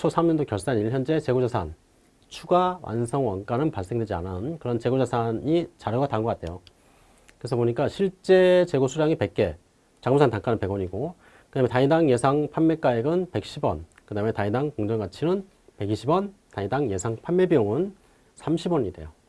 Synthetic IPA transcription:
t͡ɕʰosʰamɲʌndokjʌɭs͈aniɭçjʌnd͡ʑe̞t͡ɕe̞ɡod͡ʑasʰan | t͡ɕʰuɡawa̰nsʰʌŋwaŋnk͈anɯnpaɭs͈eŋdwed͡ʑia̰nɯnkɯɾʌnt͡ɕe̞ɡod͡ʑasʰaɲit͡ɕaɾɯɡataŋɡokatʰejo | kɯesʰʌpoɲik͈aɕʰiɭt͡ɕ͈et͡ɕe̞ɡosʰuɾaŋipe̞k̚k͈e̞ | t͡ɕaŋmusʰantaŋk͈anɯnpe̞ɡwʌɲiɡo | kɯdame̞taɲidaŋje̞sʰaŋpʰaɭme̞k͈aeɡɯnpe̞k̚ɕ͈ʰibwʌ̰nkɯdame̞taɲidaŋkoŋd͡ʑʌŋɡat͡ɕʰinɯn | pe̞ɡiɕʰibʌntaidaŋje̞sʰaŋpʰanme̞bioŋɯn | sʰamɕʰibwʌɲide̞̰jo

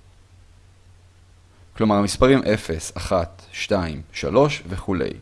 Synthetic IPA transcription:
klomaʁamispaʁimʔe̞fe̞saχat̪ʃtaimʃa̰lo̞ʃveχule̞̰j

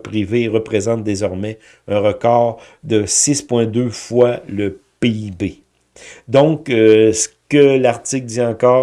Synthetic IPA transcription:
pʁiveʁəpʁezɑ̃t̪̚d̪ezɔʁmɛ | ɛ̃ʁəkɔːʁ | d̪əsɪspwɛ̃d̪øfwaləpeibe | d̪ɔ̃ksə̥kəlaʁt̪ɪk̚d̪iɑ̃kɔː

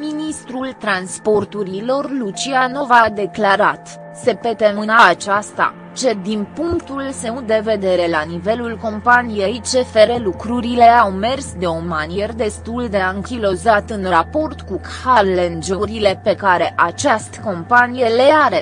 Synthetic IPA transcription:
minist̪ɾult̪ɾanspo̞rt̪uɾilo̞rlut͡ʃiano̞vad̪e̞klaɾat̪ | se̞pe̞t̪emɨnaːt͡ʃast̪a̰ | t͡ʃe̞d̪inpuŋkt̪ulse̞ut̪̚d̪e̞ve̞d̪e̞ɾe̞lanive̞lulko̞mpanijejt͡ʃe̞fe̞ɾe̞lukɾuɾile̞awme̞rsd̪eo̞manijerd̪e̞st̪uld̪e̞aɨŋkʲilo̞zat̪ɨnrapo̞rt̪kuk | arlend͡ʒoɾile̞pe̞kaɾe̞ʔat͡ʃast̪ko̞mpanije̞le̞aɾe̞

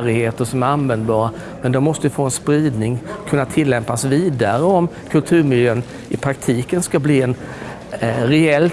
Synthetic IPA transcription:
ɾɪheːt̪əʂɔmæɾanvɛnd̪bɑːɾa | mɛnd̪ɔmːɔst̪əjəfoːɛnspɾiːd̪nɪŋkʰɵnːat̪ʰɪlːɛmpasviːd̪aɾəɔm | kʰɵlt̪ʰʉ̟ːɾmɪljøːn | ɪpʰɾakt̪ʰiːkənskabliːɛn | ɾɛɛl

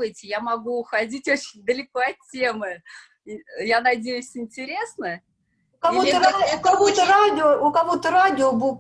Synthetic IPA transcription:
ɨtʲɪjamɐɡuːxɐdʲitʲo̞t͡ɕɪnʲd̪əlʲɪkoɐtʲːe̞mɨ | janɐdʲejʉsʲɪnʲtʲɪɾʲe̞snə | kɐoakɐvot̪əɾadʲɪoʊkɐvot̪əɾadʲɪobu

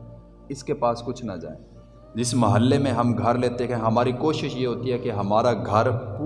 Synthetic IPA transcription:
ɪskepaːskʊt͡ʃʰnɐ̰d͡ʒa̰ːẽ | d͡ʒɪsmɐɦəlːemẽɦɐmɡʱɐɾleːt̪ekɦɛ̃ɦɐmaːɾikoːʃɪʃjeɦoːt̪iɦɛkeɦɐmaːɾaɡʱɐɾpː

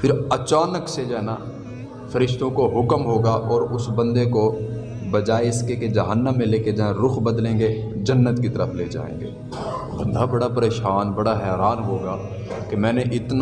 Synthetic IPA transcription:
pʰɪɾɐt͡ʃaːnəksed͡ʒaɦna | fɐɾɪʃt̪õkoɦʊkmɦoːɡaʔɔːɾʊsbɐ̃nd̪eko | bɐd͡ʒaːeɪskeked͡ʒɐɦənːə̃mːẽleːked͡ʒɐɦẽɾʊxbɐd̪lẽːŋɡe | d͡ʒɐnːət̪kit̪əɾəfleːd͡ʒa̰ːḛ̃ːŋɡḛː | bɐ̰̃nd̪ʱabɐɽapɐɾeːʃaːnbɐɽaɦɛːɾaːnɦoːɡaː | kemɛ̃ːneʔɪt̪n

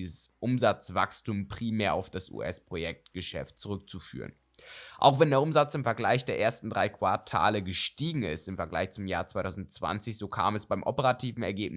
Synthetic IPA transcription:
zəsʔʊmzat͡sv̥a̰kstuːmpʁ̥iːmeːɐa̰ʊfd̥asʔṵːʔɛspʁ̥ojɛk̚tɡ̥əʃɛ̰ft̚t͡suʁ̞ʏk̚t͡sufy̰ːʁə̰n | ʔa̰ʊxv̥ɛndeːɐʔʊmzat͡sɪmfɛɐɡlaɪçd̥eːɐʔeːɐstn̩dʁaɪkv̥a̰ɐtʰa̰ːləɡəʃtiːɡŋ̩ɪ̰stɪmfɛɐɡla̰ɪçt͡sʊmjaːɐt͡sv̥aɪtʰaʊzn̩t͡sv̥a̰nt͡sɪçz̥oːkʰa̰ːmɛsb̥aɪmʔɔpəʁatʰiːvn̩ɛ̰ɐɡeːp̚n

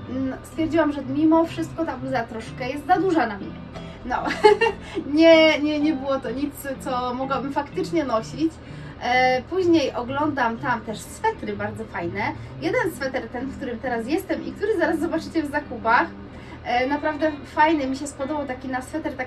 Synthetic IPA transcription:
st̪fʲjɛɾd͡ʑiwamʐɛmʲimɔfʂɘst̪̚kɔt̪aɡzat̪ɾɔʂkɛjɛst̪zad̪uʐanamɲɛ | nɔ | ɲɛɲɛɲɛbɘwɔt̪ɔɲit̪st̪sɔmɔɡwabɘmfakt̪ɘt͡ʂɲɛnɔɕit͡ɕ | puʑɲejʔɔɡlɔnd̪amt̪amt̪ɛʂsfɛt̪ɾɘbaɾd̪zɔfajnɛjɛd̪ɛnsfɛt̪ɛɾt̪ɛnfkt̪uɾɘmt̪ɛɾas̬jɛst̪ɛmʔḭk̚t̪uɾɘzaɾazːzɔbat͡ʂɘt͡ɕɛvzakupax | napɾavd̪ɛfajnɛmʲiɕɛspɔd̪ɔbawt̪akʲinasfɛt̪ɛɾt̪a

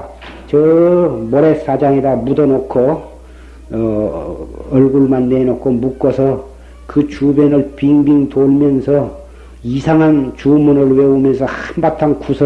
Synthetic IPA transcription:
t͡ɕʌmʌɾes͈ad͡ʑaŋedamudʌnokʰo | ʌɭɡuɭmanːenokʰomuk͈ʌsʰʌ | kɯt͡ɕubjʌnɯɭpiŋbiŋtomjʌnsʰʌ | isʰaŋɦant͡ɕumunɯɭweumjʌnsʰʌhnbatʰankusʰʌ

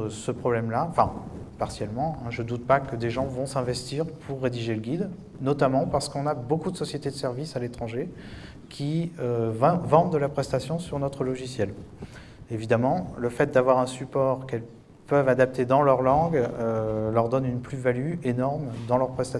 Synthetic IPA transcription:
səpχɔblɛmlaɑ̃fɛ̃paʁsjɛlmɑ̃ɛ̃ʒəd̪ut̪̚pakəd̪eʒɑ̃vɔ̃sɛ̃vɛst̪iʁpʰuʁːed̪iʒeləɡʲid̪ | nɔt̪amɑ̃paʁsə̥kɔ̃nabokud̪əsɔsjet̪ed̪əsɛʁvisalet̪χɑ̃ʒe | kʲʰiøṽvɑ̃d̪̚d̪əlapχɛst̪asjɔ̃syʁnɔt̪χəlɔʒisjɛl | evid̪amɑ̃ləfɛt̪̚d̪avwaʁɛ̃sypɔʁkɛl | pœvad̪ap̚t̪ed̪ɑ̃lœʁlɑ̃ɡølœʁd̪ɔnynplyvalyenɔʁmd̪ɑ̃lœʁpχɛst̪a

